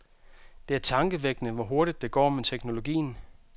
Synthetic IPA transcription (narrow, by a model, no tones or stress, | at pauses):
d̥e̝æɐt͡sʰɑ̈ŋɡ̥əʋeɡ̥nəʋɒɦo̝ɐɾ̥id̥ːe̝ɡ̥ɒ̰ːmet͡sʰeɡ̥no̝lo̝ɡḭːn̩